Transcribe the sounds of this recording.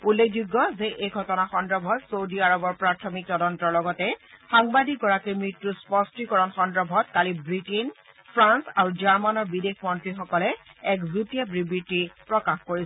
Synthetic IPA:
ulːekʰd͡ʒuɡːɔzeʔejɡʱɔtɔnaxɔndɹɔbʱɔtsowdiaɹɔbɔɹpɹatʰɔmik̚tɔdɔntɔɹlɔɡɔtɛxaŋbadik̚ɡɔɹakimɹitːuspɔstikɔɹɔnxɔndɹɔbʱɔtkalibɹiten | pʰɹansaɹuzaɹmanɔɹbidexmɔntɹixɔkɔlɛɛkzutijabɹibitːipɹɔkaxkoɹisɛ

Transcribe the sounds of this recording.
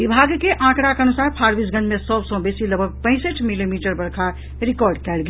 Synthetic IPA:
ɪbʱaːɡkeʔãːkɽakeɐnusaːɾpʰaːɾbisɡə̃nmẽsɔːbsɔ̃beːsiləbʱəɡ̚pɛ̃ɪ̃səʈmilimiːʈəɾbɐɽkʰa | ɾɪkɔːɾɖkɛːlɡ

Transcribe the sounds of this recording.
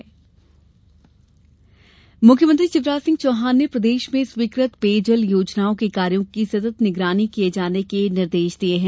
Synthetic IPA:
mʊkʰjəmə̃nt̪ɾit͡ʃɪʋɾaːsɪ̃ŋɡt͡ʃoːɦaːnːjəpɾɐd̪eːʃmẽsʋiːkɾət̪peːd͡ʒəljoːd͡ʒnaːõkekaːɾijõkisɐt̪ət̪nɪɡɾaːnikijed͡ʒaːnekenɪɾd̪eːʃd̪ieɦɛ̃ː

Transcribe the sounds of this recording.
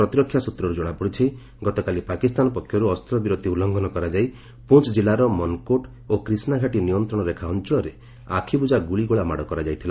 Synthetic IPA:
ɾɔt̪ɾɔkʰːjasut̪ɾɔɾud͡ʒɔɽ̃apɔɽit͡ʃʰi | ɡɔt̪ɔkalipakist̪anɔpɔkʰːjɔɾuɔst̪ɾɔbiɾot̪iulɔŋɡɔnɔkɔɾad͡ʒaj | put͡ʃd͡ʒilaɾɔmɔnkoʈ | okɾisnaɡʱaʈinijɔnt̪ɾɔɽ̃ɔɾekʰaɔnt͡ʃɔɭɔɾe | a̰kʰibud͡ʒaɡuɭiɡoɭama̰ɽɔkɔɾad͡ʒajt̪ʰila

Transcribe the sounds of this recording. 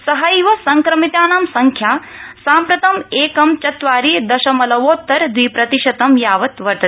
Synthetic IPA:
sɐɦɐjʋɐsɐŋkɾɐmit̪aːnaːmsɐŋkʰjaːsaːmpɾɐt̪ɐmeːkɐmt͡ʃɐt̪ʋaːɾid̪ɐʃɐmɐlɐʋoːt̪ːɐɾd̪ʋiːpɾɐt̪iʃɐt̪ɐmjaːʋɐt̪ʋɐɾt̪ɐ

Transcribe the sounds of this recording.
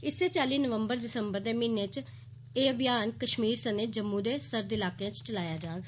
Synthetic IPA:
ɪsːeːt͡ʃaːliːnəʋəmbəɾd̪ɪsəmbəɾd̪eːmiːneːt͡ʃ | eːəbɪjaːnkəʃmiːɾsəned͡ʒəmːũːd̪eːsəɾd̪ɪlaːkːãːt͡ʃt͡ʃəlaːjaːd͡ʒaː

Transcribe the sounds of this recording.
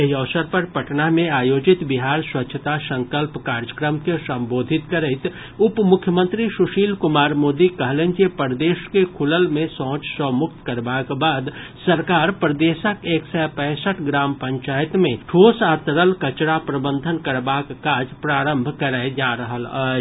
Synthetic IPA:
eɦiɔːsəɾpəɾpɐʈnamẽaːjoːd͡ʒɪt̪bɪɦaːɾswɐtːʃʰət̪asə̃ŋkəlpkaːɾjəkɾəmkesə̃mboːd̪ʱɪt̪kəɾeɪt̪ | ʊpmʊkʰːjəmə̃nt̪ɾiʃʊʃiːlkʊmaːɾmoːd̪ikəɦlẽɲd͡ʒepəɾd̪eːʃkekʰʊləlmẽsɔ̃ːt͡ʃsəmʊk̚t̪kɐɾbaːkbaːd̪ | sɐɾkaːɾpɾəd̪eːʃəkeːksɛpɛ̃ːsəʈʰɡɾaːmpɐ̃ɲt͡ʃaːjət̪mẽʈʰoːsaːt̪ɾəlkɐt͡ʃɽapɾəbə̃nd̪ʱənkɐɾbaːkːaːd͡ʒpɾaːɾə̃mbʱkəɾad͡ʒaːɾəɦəlaː

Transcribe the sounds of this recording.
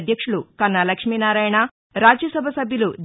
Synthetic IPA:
d̪ʱjɐkʂuɭukɐnːɐlɐkʂmiːnaːɾaːjɐɳɐ | ɾaːd͡ʒjɐsɐbʱɐsɐbʱjɐlud͡ʒ̪

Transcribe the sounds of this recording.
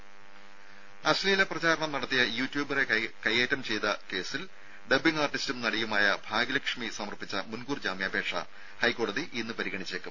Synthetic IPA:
ɐsliːlɐprɐt͡ɕaːɾɐɳɐmnɐɽɐt̪ːijɐjuːtːjuːbɐre̞kɐjːeːtːɐmt͡ɕe̞jt̪ɐke̞ːsil | ɖebiŋɡaːrʈːistumnɐɽijumaːjɐbʱaːɡiɐlɐkʂmisɐmɐrpit͡ɕːɐmunɡuːrd͡ʑaːmjaːbʱe̞ːʈʂɐ̰ | hɐjkːo̞ːɽɐðiʔinːɨpɐɾiɣɐɳit͡ɕːeːkːɨm

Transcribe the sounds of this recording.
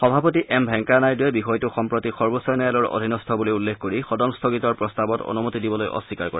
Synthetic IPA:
xɔbʱapotiʔɛmbʱɛŋkanajduɛbixɔjtʊxɔmpɹotixɔɹbosɔjnɔjalɔɹo̰dʱinɔstʰɔbuloulːexkoɹixɔdɔmst̪ʰokitɔɹpɹɔstabɔtɔ̰numutidibɔlojʔɔ̰sikaɹkɔ̰ɹa

